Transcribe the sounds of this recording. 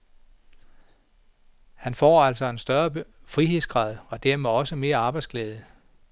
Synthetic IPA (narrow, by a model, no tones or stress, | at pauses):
hænfɒ̰ːæl̰sɒ̽e̝nsd̥ɶɐfʁiɦe̝ð̰ˠsɡ̥ʁɑ̈ð̞̰ˠɒ̽d̥æɐ̰meɒ̽səme̝ːɐɑ̈ːb̥ɑ̈ɪdsɡ̥lɛːð̞ˠə